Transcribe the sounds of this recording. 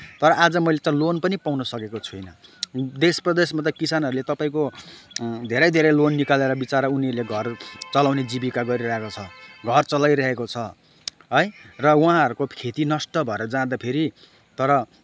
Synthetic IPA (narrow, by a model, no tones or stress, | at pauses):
t̪ʌɾʌʔad͡zʌmʌjlet͡sãĩlonpʌnipawnʌsʌkekot͡sʰujnʌd̪esprʌd̪esmat̪ʌkisanɦʌɾulet̪ʌpaĩko | d̪ʱeɾʌjd̪ʱeɾʌjlonːikaleɾʌbit͡saɾʌuniʌɾuleɡʱʌrt͡sʌlawned͡zibikaɡʌɾiɾʌɦekot͡sʰʌɡʱʌrt͡sʌlajɾʌɦekot͡sʰʌ | ɦʌjrʌwãɦʌɾukokʰet̪inʌsʈʌbʱʌeɾʌd͡zãd̪apʰeɾi | t̪ʌɾʌ